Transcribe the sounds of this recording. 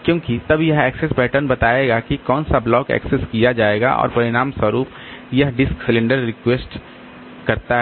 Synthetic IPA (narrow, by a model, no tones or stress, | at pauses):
kjõːkit̪ɐbjɐɦɛːksesbɛːʈəɾnbɐt̪aːeːɡakikɔːnsablɔːkɛ̰ːkseskijad͡ʒaːeːɡa̰ʔɔ̰ːɾpɐɾɪɽaːmswɐɾuːp̚ | jɐɦɖɪsksɪlẽɳɖəɾːɪkweːsʈ | kɐɾt̪aɦ